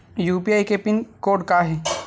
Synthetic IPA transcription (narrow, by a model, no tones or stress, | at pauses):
juːpiaːjkepɪnkoːɖkaɦɛ